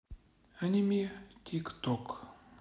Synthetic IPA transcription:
ənʲimʲit̪ʲʰikt̪ok

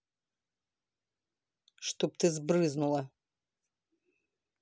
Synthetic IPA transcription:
ʂt̪op̚t̪ʰɨzbrɨznulˠɐ

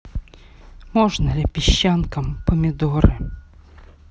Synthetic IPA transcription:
mɔʒnɐlʲɪpʲiɕːɑnkɐmpɔmʲid̪ɔɾɪ

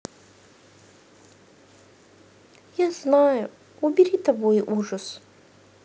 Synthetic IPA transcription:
jaznajʊ | ʊbʲɪɾʲit̪ɐbojʔuʐəs

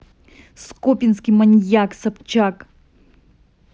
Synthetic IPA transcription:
skopʲinskʲimɐnʲjaksɐpt͡ʃak

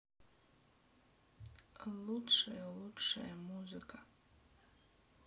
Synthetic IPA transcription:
alutʂajaludʰʂa̰jamuzɨkʼa

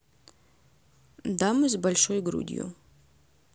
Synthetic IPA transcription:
damɨzʲbalʲʂojɡɾṵd̪ʲḭjṵ

